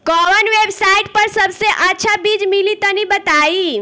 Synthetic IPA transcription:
kɔʋənʋebsaiʈ̚pəɾsəbseʔətːt͡ʃʰabid͡ʒmilit̪ənibət̪ai

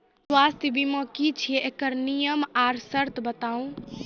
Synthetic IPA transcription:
swast̪ʰjbʱimə̃kit͡ʃʰijeʔekəɾnijəmaɾsəɾt̪ʰbət̪aũ

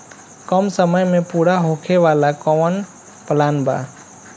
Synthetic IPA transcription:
kəmsəməjmẽpuɽaɦokʰeʋaːlakɔʋən | plaːnba̰

